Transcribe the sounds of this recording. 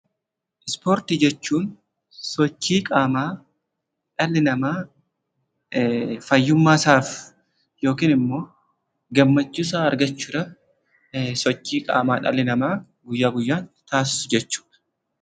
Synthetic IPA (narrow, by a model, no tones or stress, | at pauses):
ʔɪspoːɾt̪ɪd͡ʒɛt͡ʃːuːn | sɔt͡ʃːiːkʼaːmaː | ᶑɐlːɪnɐmaː | fɐjːʊmːaːsaːf | jo̞ːkiːnɪmːo̞ː | ɡɐmːɐt͡ʃːuːs̬aːɐɾɡɐt͡ʃːuːᶑɐ | sɔt͡ʃːiːkʼa̰ːmaːᶑɐ̰lɪnɐmaː | ɡʊjːaːɡʊjːaːnt̪aːs̬ɪ̥sʊd͡ʒɛt͡ʃːu̥ːᶑɐ̥